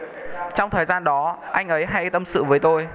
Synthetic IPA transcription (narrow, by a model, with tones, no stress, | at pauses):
t͡ɕɔ˧wŋ͡mt̪ʰəː˨˩jzaː˧nɗɔ˨˦ʔa˧jŋ̟ʔə˨˦jɦa̰˧˥jt̪ə˧msɨ̰˧˨vəː˨˦jt̪o˧j